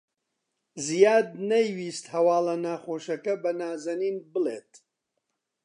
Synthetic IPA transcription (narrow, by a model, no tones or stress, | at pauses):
zijaːd̪̚nɐjwiːst̪hɐwaːlɐnaːχoːʃɐkɐbɐnaːzɐniːnbɨlḛːt̪